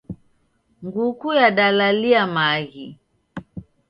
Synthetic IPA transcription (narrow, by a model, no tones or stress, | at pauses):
ŋɡukujaɗalaliamaɣi